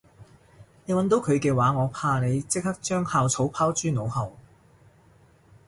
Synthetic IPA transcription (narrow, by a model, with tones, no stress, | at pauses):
ne˨˧jwɐ˨˥nt̪o˨˧˥wkʰɵ˨˧ɥkɛː˧waː˨˧ŋɔː˨˧pʰaː˧ne˨˧jt͡sɪ˥k̚hɐ˥k̚t͡ʃœː˥ŋhaː˨˧wt͡sʰo˨˥wpʰaː˥wt͡ʃyː˥no˨˧whɐ˨w